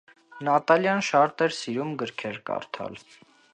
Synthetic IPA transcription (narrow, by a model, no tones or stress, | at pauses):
nɑt̪ɑljɑnʃɑɾt̪ɛɾsiɾumɡəɾkʰɛɾkɑ̰ɾt̪ʰɑ̰l